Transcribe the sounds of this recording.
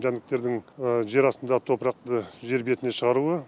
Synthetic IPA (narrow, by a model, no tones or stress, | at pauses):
ʒænd̪ɪk̚t̪e̞ɾd̪ɪŋəʒe̞ɾɑst̪ənd̪ɑʁət̪ʰo̞pɾɑq̚t̪əʒe̞ɾbe̞t̪ɪne̞ʃəʁɑɾuə